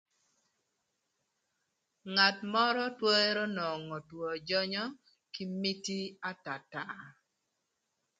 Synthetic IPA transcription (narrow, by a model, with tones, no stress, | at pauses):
ŋa˨tmɔ˦ɾɔ˦two˦e˦ɾo˦nɔ˨ŋɔ˨twɔ˨d͡ʒɔ˦ɲɔ˦ | ki˦mi˦ti˦a˦ta˨ta˨